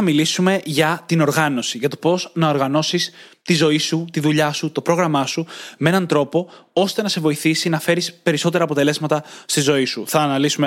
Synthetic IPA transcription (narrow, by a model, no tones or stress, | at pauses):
ɐmilisume̞ʝɐt̪ino̞ɾɣɐno̞siʝɐt̪o̞po̞znɐo̞ɾɣɐno̞sist̪izo̞isut̪iðuʎɐsut̪o̞pɾo̞ɣɾɐmɐsumee̞nɐnt̪ɾo̞po̞o̞st̪e̞nɐse̞vo̞iθisinɐfe̞ɾispe̞ɾiso̞t̪̬e̞ɾɐːpo̞t̪e̞le̞zmɐt̪ɐst̪izo̞isuθɐːnɐlisume